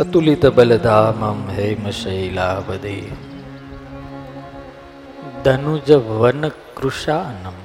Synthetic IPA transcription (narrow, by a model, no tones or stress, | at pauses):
ɐt̪ulit̪ɐbɐlɐd̪aːmɐmɦejmɐʃɐjlaːʋɐd̪eː | d̪ɐnud͡ʒɐʋɐnɐkɾuʃaːnɐm